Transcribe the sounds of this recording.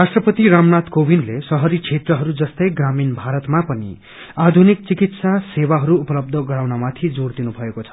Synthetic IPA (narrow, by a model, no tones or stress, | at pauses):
rasʈrʌpʌt̪iɾamnat̪kobʱinlesʌɦʌɾit͡sʰet̪rʌɦʌɾud͡zʌst̪ʌjɡraminbʱaɾʌt̪mapʌnḭ | ad̪ʱunik̚t͡sikit̪sasewaɦʌɾuːpʌlʌb̚d̪ʱʌɡʌɾawnamat̪ʰid͡zoɽd̪inubʱʌekot͡sʰʌ̥